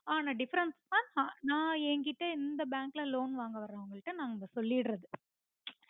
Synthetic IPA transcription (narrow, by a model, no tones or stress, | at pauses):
aːnaːɖɪfɐɾɐnsaːnhãːnãːɛŋɡɪʈːɐɪnd̪ɐbaːŋklɐloːnʋaːŋɡɐʋɐɾaːʋɐŋɡɐɭʈːɯnãːŋɡɡɐsɔlːɪɽɾɐðɯ